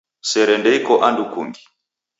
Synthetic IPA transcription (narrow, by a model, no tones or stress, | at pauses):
sɛɾɛndɛikɔʔandukuŋɡi